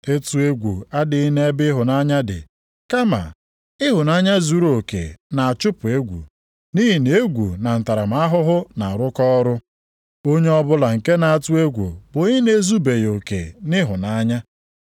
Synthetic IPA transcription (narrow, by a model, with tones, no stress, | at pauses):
e˦tu˦e˦ɡʷu˨a˦dɪ˨i˦ne˦e˦bɪ˦ɦʊ˨na˦ɲa˦dɪ̰˨ | ka˦ma̰˨ | ɪ˦ɦʊ˨na˦ɲa˦zu˨ɾo˨kḛ˨na˨a˨t͡ʃʊ˦pʊ˨e˦ɡʷṵ˨ | ni˦ɦi˨ne˦e˦ɡʷṵ˨na˨n̩˨ta˨ɾa˨m̩˦a˦ɦʊ˦ɦʊ˦na˨ɾʊ˦kɔ˦ɾʊ˦ | o˦ɲe˦ɔ˦bʊ˦la˨ŋ̩˨ke˦na˨a˨tu˦e˦ɡʷṵ˨bʊ˨˦ɪ˦ne˦zu˦be˨jo˨kḛ˨nɪ˦ɦʊ˨na˦ɲa˦